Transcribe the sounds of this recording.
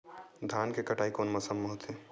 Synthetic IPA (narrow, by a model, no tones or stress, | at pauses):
d̪ʱaːnkekɐʈʰaːikoːnmɐsəmːoɦʊt̪ɦẽː